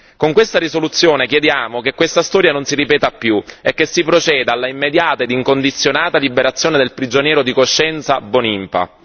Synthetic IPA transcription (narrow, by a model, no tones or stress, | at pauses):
koŋkwest̪aɾisolut̪sːjoːnekjed̪jaːmokekːwest̪ast̪ɔːɾjanonsiɾipɛːt̪apːjuekːesːipɾot͡ʃɛːd̪alːaimːed̪jaːt̪aed̪iŋkond̪it̪sːjonaːt̪alibeɾat̪sːjoːned̪elpɾid͡ʒonjɛːɾod̪ikoʃːɛnt̪sabonimpa̰